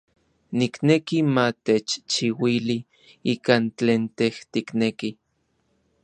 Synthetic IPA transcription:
niknekimat̪et͡ʃt͡ʃiwili | ikaːnt͡ɬeːnt̪eht̪ikneki

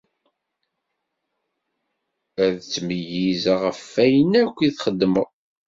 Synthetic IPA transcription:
æðt͡sːməjizʁəfːæjənækʷːiθχəd̪ːmə

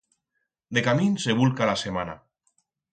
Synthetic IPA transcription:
d̪ekaminseβulkalasemana̰

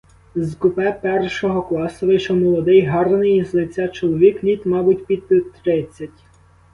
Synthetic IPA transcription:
zkʊpɛpɛrʃɔɦɔklˠɑsɔʋɪʃɔmɔlˠɔd̪ɪjɦɑrɐnɪjizlˠɪt͡sʲːɑt͡ʃɔlˠɔʋʲiklʲit̪mɑbʊtʲpʲiɪt̪ɾɪt͡sʲːɐtʲ

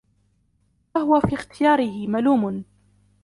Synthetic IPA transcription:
ahʊwafiːxt̪ɪjaːɾɪhɪmaluːmʊn

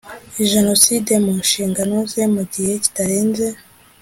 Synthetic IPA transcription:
iʒe̞no̞side̞munʃiːŋɡanozemuɟihe̞ci̥taɾeːnze

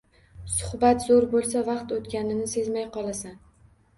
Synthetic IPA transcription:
sʊhbat̪zoɾbolˠs̬avɑqt̪ot̪kʲanɪnɪse̞zmajqʰɒlˠasan

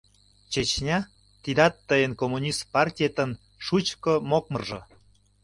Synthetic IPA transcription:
t͡ɕet͡ɕnʲɑ | t̪id̪ɑt̪ːəjənkomunʲist̪pɑrtʲiet̪ən | ʃut͡ɕkəmok̚mərʒə̆

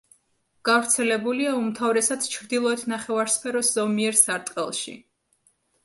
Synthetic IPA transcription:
ɡ̥avɾt̪sʰɛlɛbuliaumt̪ʰavɾɛsad̪t͡ʃʰɾd̪ilˠɔɛt̪ʰnaχɛvaɾspʰɛɾɔsz̥ɔmiɛɾsaɾt̪ʼqʼɛ̰lˠʃḭ

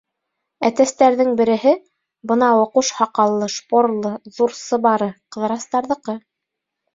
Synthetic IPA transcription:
æt̪æst̪æɾðɘŋbɘ̆ɾɘ̆ɦɘ | bɤnɑwŏquʃhɑqɑlˠːɤʃpoɾlˠɤðuɾsɤ̆βɑɾɤqɤ̆ðɤ̆ɾɑst̪ɑɾðɤ̆qɤ

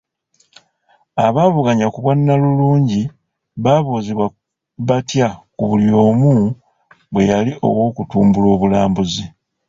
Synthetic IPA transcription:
aβaːβuɡaɲakuβwanːaluluːɲɟi | βaβoːziβwa | βatjakuβuljo̞ːmu | βwe̞jaliʔo̞̰wo̞ːkutuːmbulo̞ːβulaːmbuzi

